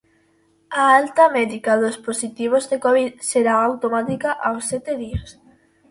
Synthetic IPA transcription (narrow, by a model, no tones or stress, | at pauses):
aalt̪ɐmɛðikaðosposit̪iβ̞ozðekɔβiðseɾaawt̪omat̪ikaʔawsːɛt̪eðias